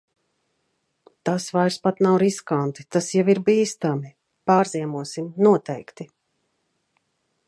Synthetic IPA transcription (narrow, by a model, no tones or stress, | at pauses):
t̪asvajɾspat̪nawɾiskant̪i̥t̪asjaviɾbiːst̪ami | paːɾziɛmuɔsimnuɔt̪ɛjkt̪i